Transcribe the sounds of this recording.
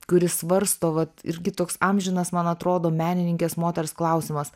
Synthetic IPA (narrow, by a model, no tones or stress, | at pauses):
kʊɾʲɪssʋɐɾst̪oːʋɐt̪ɪ̰ɾʲɡʲɪt̪oːksɐmʲʒʲɪnɐsmɐnɐt̪ɾoːd̪oːmʲæːnʲɪnʲɪŋʲkʲeːsmoːt̪ʲɛɾsklˠɐʊsʲɪmɐs